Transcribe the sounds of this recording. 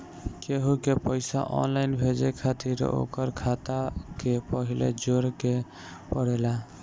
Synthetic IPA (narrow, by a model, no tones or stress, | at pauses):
keɦukepəɪsa̰ʔɔ̰nlaɪnbʱed͡ʒekʰat̪iɾ̰o̰kəɾkʰat̪akepəɦilḛd͡ʒoɾke | pəɽela